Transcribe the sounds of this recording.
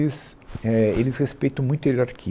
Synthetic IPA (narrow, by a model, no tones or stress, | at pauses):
ɪsɛelɪsʁespejt̪ɐ̃w̃mũj̃t̪ʊiɾaɾkʰi